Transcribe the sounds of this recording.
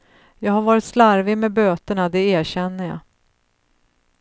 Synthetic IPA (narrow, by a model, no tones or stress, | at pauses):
jɑːɡhaɾvɑːɾɪt̪slaɾvɪmɛbøːt̪əɳad̪ɛeːɾɕɛnːəjɑ̰ː